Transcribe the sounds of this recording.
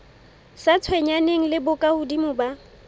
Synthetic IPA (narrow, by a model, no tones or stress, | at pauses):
sat͡sʰwɛɲaneŋ̩lɪbʊkʼahʊdimʊba